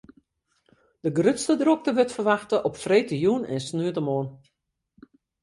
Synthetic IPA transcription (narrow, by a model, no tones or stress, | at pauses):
d̥əɡrøtstədrok̚təʋøtfərʋaxtəʔɔpfreːtəjunɛ̰nsnyətəmoən